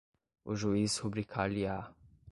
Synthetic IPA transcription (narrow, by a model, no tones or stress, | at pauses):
ṵʒuishubɾikʰalia